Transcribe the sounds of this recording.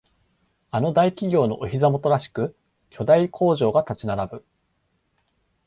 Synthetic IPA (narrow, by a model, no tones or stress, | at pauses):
ano̞d̪aikʲiɡʲo̞ːno̞̰ʔoçizamo̞t̪o̞ɾaɕi̥kɯ̟ | kʲʰo̞d̪aikʰo̞ːʑo̞ːɡat̪at͡ɕinaɾabɯ̟